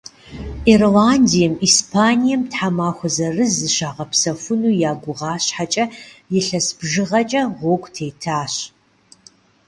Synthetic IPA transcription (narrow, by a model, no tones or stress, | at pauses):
irlaːndijɛmiːspʰaːnijɛmtħamaːxʷɔzɐrɨzɨʃaːʁɐpsɐfʊnuːjaːɡʷʊʁɑːɕħat͡ʃʼɐjɪɬɐsb̥ʒɨʁɐt͡ʃʼɐʁʷoːkʷʼtʰeːtʰaːɕ